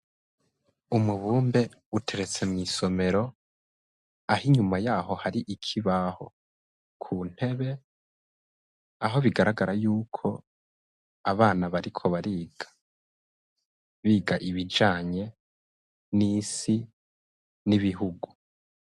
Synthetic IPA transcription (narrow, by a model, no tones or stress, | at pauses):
umuβuːmbe̞ | utʰe̞ɾe̞t͡se̞mŋiːso̞me̞ɾo̞ | ahiɲumajaːho̞haɾiʔikʰiβaho̞̰ | kʰuːn̥he̞βe̞ | aɦo̞βiɡaɾaɡaɾajuːkʰo̞ | aβaːnaβaɾikʰo̞βaɾiːɡ̥ḁ | βiːɡaʔiβid͡ʒaːɲe̞ | niːsi | niβiɦuɡu